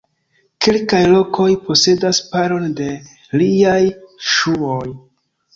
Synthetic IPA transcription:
ke̞lkajlo̞kʰo̞jpo̞se̞daspaɾo̞nde̞ | liajʃuoj

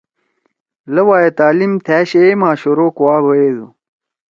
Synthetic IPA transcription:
lɐwaːjet̪aːlimt̪ʰæːɕemãːɕoɾoːkuwaːbɐeːzṵ

